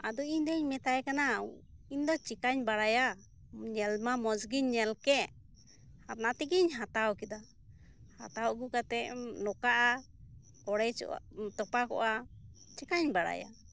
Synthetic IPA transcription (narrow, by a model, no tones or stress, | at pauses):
ad̪ɔiɲd̪ɛɲmɛt̪ajkanaiɲd̪ɔt͡ʃikaɲbaɽaja | ɲɛlmamɔd͡ʒɡiɲːɛlkɛʔ | haɾnat̪iɡiɲɦat̪awkid̪a | ha̰t̪awʔɡukat̪ɛnɔkaʔa | kɔɽɛt͡ʃt̪ɔpakɔ̰ʔa | t͡ʃikaɲbaɽa̰ja̰